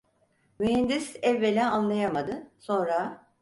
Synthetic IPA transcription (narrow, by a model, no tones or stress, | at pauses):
myɦɛnd̪isɛvːelʲɛanlˠajamad̪ɯso̞nɾa